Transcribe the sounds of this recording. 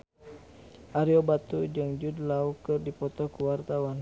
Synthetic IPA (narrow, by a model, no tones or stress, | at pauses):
ʔaɾiobat̪ud͡ʒɨŋd͡ʒudlaukɨrdipɔt̪ɔhkuwart̪awan